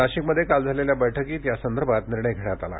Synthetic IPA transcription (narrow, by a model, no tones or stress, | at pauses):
aɕiːkməd̪ʱːjekald͡zʱaleljabəjʈʰəkiːt̪jasənd̪əɾbʱat̪niɾɳ̃əjɡʱeɽat̪ala̰